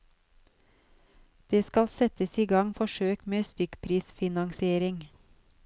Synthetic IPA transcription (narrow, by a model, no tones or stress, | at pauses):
d̪̥eːskɑlsɛt̪əsiːɡɑŋfɔʃøːkmeːst̪ʏkpʰɾiːsfɪnɑŋsɪeːɾɪŋ